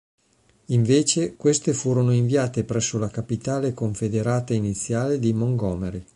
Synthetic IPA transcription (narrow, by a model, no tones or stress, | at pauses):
iɱveːt͡ʃekwest̪efuːɾonoiɱviaːt̪epɾɛsːolakapit̪aːlekoɱfed̪eɾaːt̪ainit̪sːjaːled̪imoŋɡɔːmeɾi